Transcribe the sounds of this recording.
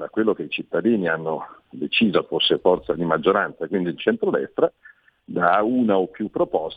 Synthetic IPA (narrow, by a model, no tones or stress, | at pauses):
d̪akwelːok̟eit͡ʃit̪ːad̪iːnianːod̪et͡ʃiːzofosːefɔrt̪sad̪imad͡ʒːoɾansakwind̪iːlt͡ʃɛnt̪ɾod̪ɛ̰st̪ɾa | d̪auːnaopːjupːɾopɔs